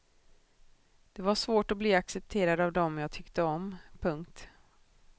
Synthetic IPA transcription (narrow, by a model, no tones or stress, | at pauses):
d̪̥ɛvaʂvoːʈɔbliːaksɛp̚t̪ʰeːɾad̪avd̪ɔmjaːt̪ʰʏkt̪əɔmpʰɵŋkt̪